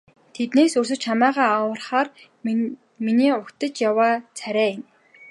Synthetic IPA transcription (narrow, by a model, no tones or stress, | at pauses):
t̪ʰet̪neːsɵrsɘ̆t͡ɕʰamæːʁaːawə̆rχaːr | miniːʊkt̪ə̆t͡ɕjawaːt͡sʰæɾʲæːɪn